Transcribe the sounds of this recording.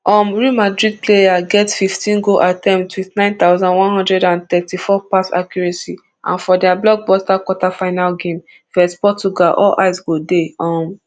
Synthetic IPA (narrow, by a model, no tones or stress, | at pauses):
ɔ̃mɹiumadɹid̚plejaɡɛtfiftĩnɡoʔatɛ̃mtwiθnãɪ̃nt̪aʊzɔ̃ndwɔ̃nhɦɔ̃ndɹɛdãnt̪ɛtifɔpasa̰kjɔɹɛ̃si | ʔã̰nfɔdɛablɔɡ̚bɔstakwɔtafaɪnalɡẽm | fɛstpɔt͡ʃuɡalʔɔ̰lʔa̰ɪsɡodeɔ̃m